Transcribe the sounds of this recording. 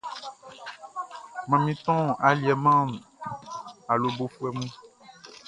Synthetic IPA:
mã˨mĩ˦t̪ɔ̃˦a˨li˨ɛ˨mã˦m | a˨lo˨bo˦fu˦ɛ˦mũ˦

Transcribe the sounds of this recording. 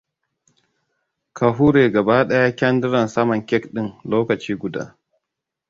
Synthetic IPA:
kʰa˨ɦu˦ɾeː˨ɡɐ˨baː˦ɗɐ˦ja˦kʲɐ˦ndɪ˦ɾɐ˨nsɐ˦mɐ˨ŋkʲɛ˦kɗɪ˦ŋloː˦kɐ˨t͡ʃiː˦ɡʷʊ˨da̰ː˦

